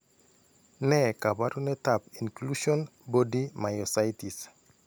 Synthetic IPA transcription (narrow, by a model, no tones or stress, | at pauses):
nɛkabaɾunɛtapinkluʃɔnbɔdimajɔsajtis